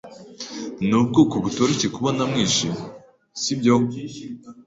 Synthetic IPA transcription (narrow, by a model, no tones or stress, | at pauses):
nub̚ɡoːkoβutoɾecekuβonamŋiːʃim | sibɟo